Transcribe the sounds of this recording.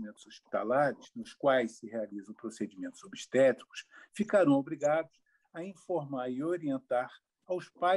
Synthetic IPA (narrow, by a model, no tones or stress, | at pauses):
mẽnt̪ʊz̥ospi̥t̪a̰laɾɪznʊskwajssɪɦealizɐ̃ʊ̃pɾosed͡ʒimẽnt̪ʊzobiʃt̪ɛt͡ʃ̪i̥kʊ̥sfikaɾɐ̃w̃obɾiɡad̪ʊs | ɐĩfoɾmaɾɪoɾiẽnt̪aɾ | awspa